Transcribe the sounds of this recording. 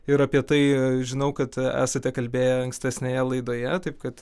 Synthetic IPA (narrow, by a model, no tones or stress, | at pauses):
ɪɾɐpʲiɛt̪ɐɪʒʲɪnɐʊkɐt̪æ̰ːsɐt̪ʲɛkɐlʲbʲeːjɛɐŋksʲt̪ʲɛsʲnʲejɛlˠɐɪd̪oːjɛt̪ɐɪp̚kɐt̪